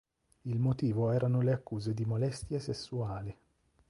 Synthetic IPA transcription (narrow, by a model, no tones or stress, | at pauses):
ilmot̪iːvoɛːɾanoleakːuːzed̪imolɛst̪jasesːuaːli